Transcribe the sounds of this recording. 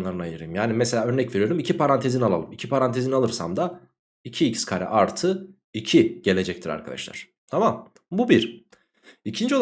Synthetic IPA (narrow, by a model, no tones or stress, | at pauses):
lˠaɾɯnajɯɾɯmjaːnimɛseaːø̞ɾnɛcve̞ɾijo̞ɾumicʰipaɾant̪ʰe̞zinalˠa̰lˠɯmicʰipʰaɾant̪ʰe̞zinalˠɯɾsa̰md̪a | icʰiːcskʰaɾɛ̰ʔaɾt̪ʰɯ | icʰiɟ̥e̞lʲe̞d͡ʒɛc̚t̪ʰiɾa̰ɾkʰad̪a̰ʃlˠa̰ɾ̥ | t̪ʰamam | bubiɾ | icʰind͡ʒio̞lˠ